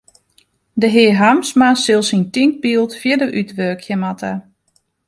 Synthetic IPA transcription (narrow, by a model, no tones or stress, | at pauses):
dəɦɪəɦamsmasɪlˠsintiŋk̚biːlˠtfjədəʔytʋøːkʰjəmatʰə